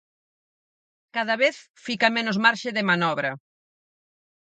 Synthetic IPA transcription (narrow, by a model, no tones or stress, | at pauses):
kaðɐβeθ | fikɐmenʊzmaɾʃɪðɪmanɔβɾɐ